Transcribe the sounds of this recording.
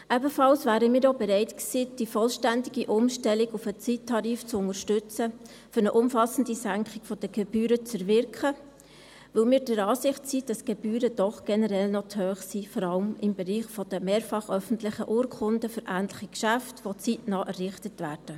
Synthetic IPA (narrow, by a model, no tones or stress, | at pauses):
ɛbəfɑlsvæːɾəmiːɾobɛɾɛɪtksiːd̥ifɔlʃtændɪɡiʔʊmʃtɛlɪɡʊfət͡sitʰːɑɾiːft͡sʊŋəɾʃtʏt͡sə | fʏɾnəʔʊmfɑsən̩disæŋkχɪɡ̥fɔd̥əɡ̥ɛb̥yːɾət͡sɛɾvɪɾkχə | ʋɪlmiːɾd̥əɾɑːsɪχtsiːd̥ɑsɡ̥ɛbyːɾəd̥ɔχɡ̥ɛnəɾɛlnɔthœːχsifɔɾɑlmɪmbɛɾiːχfɔd̥əmeːɾfɑχœfən̩tlɪχəʔʊːɾkʰʊndəfʏɾʔæːntlɪχikʃæftʋot͡sitnɑːʔɛrːɪχtətvæːɾd̥ə